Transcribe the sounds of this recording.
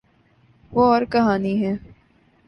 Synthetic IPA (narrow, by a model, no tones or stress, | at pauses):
ʋoɔːɾkɐɦaːniɦɛː